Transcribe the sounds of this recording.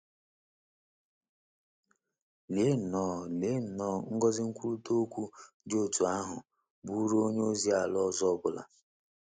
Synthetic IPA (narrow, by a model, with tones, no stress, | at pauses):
le˦n̩˨nɔː˦˨le˨˦n̩˨nɔː˦˨ŋ̩˦ɡɔ˦zɪ˦ŋ̩˦kʷu˦ɾu˦to˦kʷu˦ | dɪ˦o˦˨tu˨a˦ɦʊ˨ | bu˦ɾo˦o˦ɲe˦o˦zi˦a˨lɔ˦zɔ˦bʊ˨la̰˨